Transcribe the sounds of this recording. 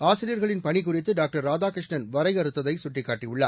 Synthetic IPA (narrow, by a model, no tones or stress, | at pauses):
aːsɪɾiɾɣɐɭɪnpɐnik̬ːʊrɪt̪ːɯɖaːk̚ʈɐɾːaːd͡ʒaːkɾɪʂɳɐnʋɐɾɐɪɐɾɯt̪ːɐðɐɪsʊʈrɪkːaːʈrijʊɭːa̰